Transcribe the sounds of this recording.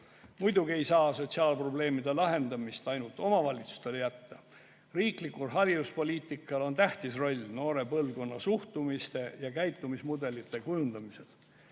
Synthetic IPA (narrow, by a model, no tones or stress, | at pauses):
mujd̪uɡie̞jsɑːso̞t̪siɑːlpro̞ble̞ːmid̪e̞lɑɦe̞nd̪̥ɑmist̪ɑjnult̪ːˑo̞mɑvɑlʲit̪su̥st̪e̞ljæt̪ːɑ | riːklikːulɦɑɾid̪uspo̞lʲiːt̪ˑikːˑɑlo̞nt̪æht̪isro̞lʲːno̞ːɾe̞pɤlko̞nːɑsuht̪umist̪e̞jɑkæjt̪ːˑumismud̪e̞lit̪ːˑe̞kujund̪̥ɑmise̞l̥